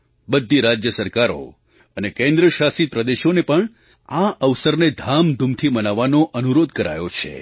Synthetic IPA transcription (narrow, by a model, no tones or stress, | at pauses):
bəd̪ʱːiɾad͡ʒjəsəɾkaɾo̰ | ənekẽnd̪ɾəʃasipɾəd̪eʃonepəɳ | aʔəʋsəɾned̪ʱamd̪ʱumt̪ʰimənaʋːanoʔənuɾod̪̚kəɾa̰jot͡ʃʰḛ